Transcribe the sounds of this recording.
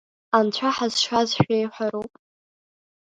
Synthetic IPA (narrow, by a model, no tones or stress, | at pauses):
ant͡ɕʷʰaħazʃazʃᶣʷejħʷaɾupʼ